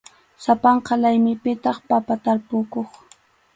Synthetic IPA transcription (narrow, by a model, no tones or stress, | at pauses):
sapɑɴqɑlajmɪpɪt̪ɑχpapat̪aɾpʊkoχ